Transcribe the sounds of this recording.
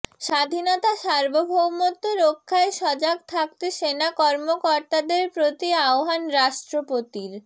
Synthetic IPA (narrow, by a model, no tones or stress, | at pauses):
ʃad̪ʱinɔt̪aʃaɾbobʱobmɔt̪ːoɾokʰːaeʃɔd͡ʑaɡt̪ʰak̚t̪eʃenakɔɾmokɔɾt̪ad̪eɾpɾot̪iaoɦanɾaʃʈɾopot̪iɾ